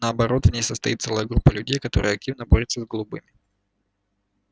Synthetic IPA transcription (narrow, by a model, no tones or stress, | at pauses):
nəɐbɐɾo̞t̪vnʲejsəst̪ɐjit̪sɛlˠəjəɡɾupːəlʲʉdʲejkɐt̪o̞ɾəjəɐk̚tʲivnəboɾʲɪt̪səzɡəlˠʊbɨmʲɪ